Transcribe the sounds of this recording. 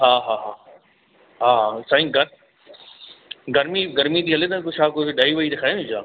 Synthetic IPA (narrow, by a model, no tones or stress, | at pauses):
ɦaːɦaːɦaː | ɦaːɦasaːɦĩɡɐɾ | ɡɐɾmiɡɐɾmit̪ʰiːɦɐlet̪ɐkot͡ʃʰaːkoɗaːiʋɐit̪ekʰaːjõd͡ʑaː